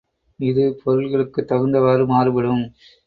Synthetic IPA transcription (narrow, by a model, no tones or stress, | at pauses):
ɪðɯpʰɔɾɯlɣɐɭɯkːɯt̪ːɐɣɯnd̪ɐʋaːɾɯmaːɾɯʋɪɽɯm